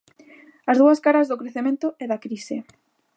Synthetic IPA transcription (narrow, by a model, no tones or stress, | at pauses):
azðuaskaɾazðokɾeθemẽnt̪ʊeðakɾise